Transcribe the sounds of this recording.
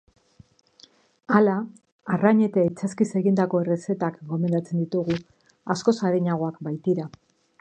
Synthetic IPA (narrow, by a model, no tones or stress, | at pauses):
alaː | raɲe̞t̪ait͡saskise̞ɣind̪ako̞e̞re̞se̞t̪akɡo̞me̞nd̪at͡se̞nd̪it̪uɣu | asko̞saɾeɲaɣo̞akbajt̪iɾa